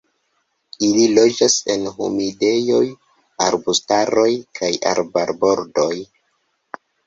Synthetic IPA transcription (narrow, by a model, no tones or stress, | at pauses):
ililo̞d͡ʒase̞nɦṵmide̞jo̞j | aɾbustaɾo̞jkʰaja̰ɾbaɾbo̞ɾdo̞j